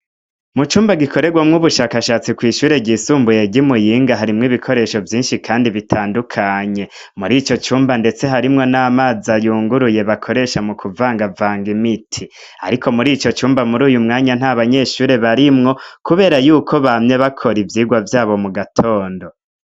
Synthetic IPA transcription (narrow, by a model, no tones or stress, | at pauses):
mut͡ʃuːmbaɡikʰo̞ɾe̞ɡwamŋuβuʃaːkaʃaːt͡sikwiːʃuːɾe̞ɡisuːmbuje̞ɟimujiːŋɡaɦaɾimŋiβikʰo̞ɾe̞ʃo̞vjiːnʃikʰaːndiβitʰaːndukʰaɲe̞ | muɾit͡ʃo̞t͡ʃuːmbande̞t͡se̞ɦaɾimŋo̞naːmaːzajuːŋɡuɾuje̞βakʰo̞ɾe̞ʃamukʰuvaːŋɡavaːŋɡimitʰi | a̰ɾikʰo̞muɾit͡ʃo̞t͡ʃuːmbamuɾuːjumŋaːɲan̥aβaɲe̞ʃuːɾe̞βaɾimŋo̞kuβe̞ːɾajuːkʰo̞βamɲe̞βakʰo̞ɾivjiːɡwavjaːβo̞muɡatʰo̞ːndo̞